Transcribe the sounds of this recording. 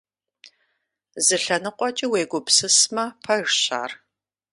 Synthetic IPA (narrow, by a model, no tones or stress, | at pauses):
zɨɬɐnɨqʷʼɔt͡ʃʼiweːɡʷʊpsɨsmɐpʰɐɻɕa̰ːr